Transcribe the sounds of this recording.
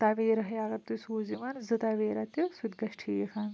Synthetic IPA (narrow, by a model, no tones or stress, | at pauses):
t̪aʋeːɾɐɦjaːɡɐɾt̪usuːziʋɐnzɨt̪ɐʋeːɾɐt̪jɐsud̪ɡɐʃʈʰiːjɐkʰɐn